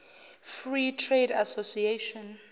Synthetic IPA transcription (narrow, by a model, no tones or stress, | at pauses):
fritʰredasosieʃɔ̃n